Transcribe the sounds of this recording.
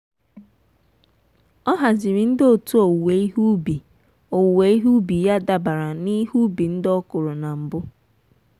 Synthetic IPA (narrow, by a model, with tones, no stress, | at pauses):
ɔ˦ɦa˨zi˨ɾi˨n̩˦do˨tu˦o˨we˨˦i˦ɦu˦bi˨ | o˨we˨i˦ɦu˦bi˨ja˦da˨ba˨ɾa˨ni˦ɦu˦bi˨n̩˦dɔ˦kʊ˨ɾʊ˨na˨m̩˨bʊ˦